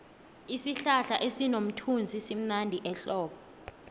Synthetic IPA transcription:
isiɬaɬaʔesinom̩tʰund͡zʱisim̩nandʱiʔɛɬɔːɓɔ

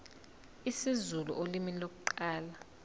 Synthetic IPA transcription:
isizulṵʔolimilok̬ʼuǃaːla

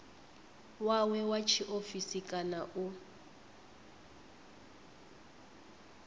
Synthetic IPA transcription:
wawɛwat͡ʃʰiʔofisikʼanaʔʊ

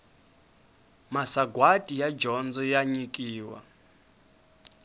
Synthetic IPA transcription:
masaɡwatʼijad͡ʒɔnd͡zɔjaɲikʼiːwa̰

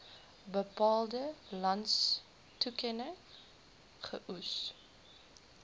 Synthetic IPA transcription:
bəpɑːlˠdəlɐnts | tukɛnə | χəʔus

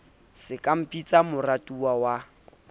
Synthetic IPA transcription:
sɪkʼam̩pʼit͡sʼamʊratʼuawa

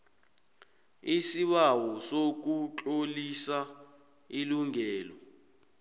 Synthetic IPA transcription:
isiɓawɔsok̬ut͡ɬʼolisa | iluŋɛːlɔ

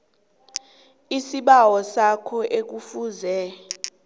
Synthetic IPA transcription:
isiɓawɔsakʰɔʔek̬ufuːzɛ

